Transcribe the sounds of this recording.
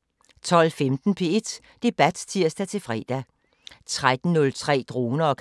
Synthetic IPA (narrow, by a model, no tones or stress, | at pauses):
t͡sʰɒ̽l̰femd̥n̩pʰe̝e̝d̥ | d̥e̝b̥æd̥t͡sʰiɐ̰sd̥æt͡sʰe̝lfʁɛ̰ːd̥æ | t͡sʰʁad̥n̩nɔ̽lt͡sʰʁɛ̰ːd̥ʁo̝ːnɐɒ̽kʰ